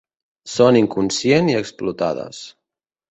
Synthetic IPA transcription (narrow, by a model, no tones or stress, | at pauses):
soniŋkunsjeniəksplut̪a̰ðə̰s